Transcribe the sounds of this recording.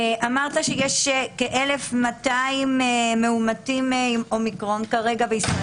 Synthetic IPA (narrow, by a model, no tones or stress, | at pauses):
ʔamaʁt̪aʃejeʃekeʔelefmataimemːeumatimimo̞mikʁo̞nkaʁe̞ɡabeis